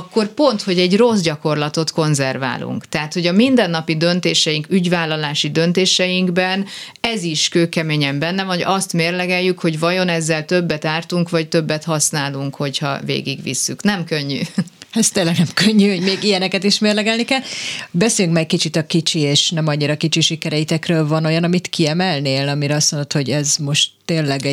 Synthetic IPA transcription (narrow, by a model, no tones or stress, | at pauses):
kːo̞rpo̞nt̪ho̞ɟɛɟro̞zɟɒko̞rlɒt̪o̞t̪ko̞nzɛrva̰ːlṵŋkt̪ɛɦat̪ho̞ɟɒmind̪ɛnːɒpid̪ø̞nt̪eːʃɛjiŋkyɟvaːlːɒlaːʃid̪ønt̪eːʃɛjiŋɡbɛn | ɛziʃkøːkɛmeːɲɛmbɛnːɛvɒɟɒst̪meːrlɛɡɛjːykho̞ɟvɒjo̞nɛzːɛlt̪ø̞bːɛt̪aːrt̪uŋkvɒct̪ø̞bːɛt̪hɒsnaːluŋkho̞chɒ̰vḛːɡḭɡvḭsːyknɛmkøɲːy̰ɛst̪eːnlɛɡnɛmkøɲːyho̞ɟmeːɡijɛnɛkɛt̪iʃmeːrlɛɡɛlnikɛlbɛseːljyŋkmɛɡkit͡ʃit̪ɒkit͡ʃieːʃnɛmɒɲːiɾɒkit͡ʃiʃikɛɾɛit̪ɛkrøːlvɒno̞jɒnɒmit̪kiɛmɛlneːlɒmiɾɛɒst̪mond̪ot̪ho̞ɟɛzmo̞ʃt̪ːeːnlɛɡ